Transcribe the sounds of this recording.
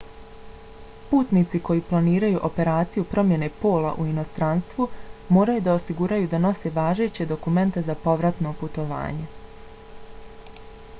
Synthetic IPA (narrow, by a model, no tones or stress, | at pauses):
puːt̪nit̪siko̞jiːplˠaniːɾajuʔo̞pe̞ɾaːt̪sijupɾo̞mje̞ne̞po̞ːlˠa̰ʔuino̞st̪ɾanst̪ʋumo̞ːɾajud̪ao̞siɡuɾajud̪ano̞se̞ʋaːʒe̞t͡ɕe̞d̪o̞kume̞nt̪e̞zapo̞ʋɾat̪no̞put̪o̞ʋa̰ːɲe̞